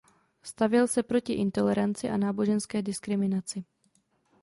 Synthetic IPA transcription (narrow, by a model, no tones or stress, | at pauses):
st̪avjɛlsɛpɾo̞cɪʔɪnt̪o̞lɛɾant͡sɪʔanaːbo̞ʒɛnskɛːdɪskɾɪmɪnat͡sɪ